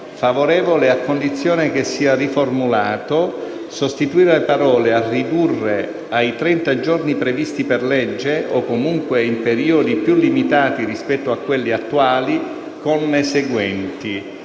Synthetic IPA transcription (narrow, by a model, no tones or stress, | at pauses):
favoɾɛːvoleakːond̪it̪sːjoːnekesːiːariformulaːt̪o | sost̪it̪uiːɾelepaɾɔːlearːid̪urːe | ajt̪ɾɛnt̪ad͡ʒornipɾevist̪iperlɛd͡ʒːeʔokːomuŋkweimpeɾiːod̪ipjulːimit̪aːt̪irispɛt̪ːoakːwelːiat̪ːuaːli | konːeseɡwɛnt̪i